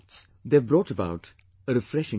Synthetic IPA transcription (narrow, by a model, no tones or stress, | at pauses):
ts | d̪ebɾɔːʈəba̰ʊʈ | əɾɨfɾɛʃɪ̃